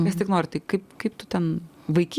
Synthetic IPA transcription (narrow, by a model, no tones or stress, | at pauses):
kɐst̪ʲɪknoːɾʲɪt̪ɐɪkɐɪpkɐɪpt̪ʊt̪ʲɛn | ʋɐɪkʲi